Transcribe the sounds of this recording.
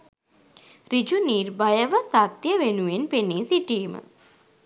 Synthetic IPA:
rid͡ʒuniːrbajəʋəsat̪jəʋenuʋenpeniːsiʈiːmə̰

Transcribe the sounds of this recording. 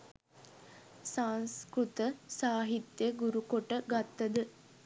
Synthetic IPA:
sanskɾut̪əsaːɦit̪jəɡuɾukoʈəɡat̪ːəd̪ə

